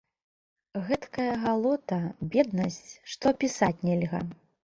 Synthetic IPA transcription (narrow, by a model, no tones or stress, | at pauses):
ɣɛt̪kɐjɐɣalˠɔt̪ɐbʲɛd̪nɐsʲt͡sʲʂt̪ɔpʲisat͡sʲnʲɛlʲɣɐ̰